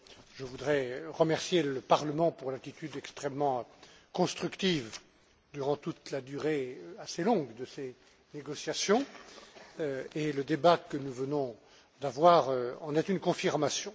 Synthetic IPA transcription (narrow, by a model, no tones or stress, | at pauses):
ʒəvud̪ʁɛʁəmɛʁsjeləpaʁləmɑ̃puʁlat̪it̪yd̪ɛkst̪χɛmːɑ̃kɔ̃st̪χykt̪iv | d̪yʁɑ̃t̪ut̪lad̪yʁeøaselɔ̃ɡd̪əse | neɡɔsjasjɔ̃ | øeləd̪ebakənuvənɔ̃ | d̪avwaʁøɑ̃nɛt̪ynkɔ̃fiʁmasjɔ̃